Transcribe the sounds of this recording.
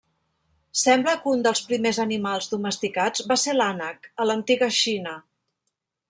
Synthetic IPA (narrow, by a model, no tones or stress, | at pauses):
sɛmbləkund̪əlˠspɾimezənimalˠzðuməst̪ikad͡zβaselanəkələnt̪iɣəʃinə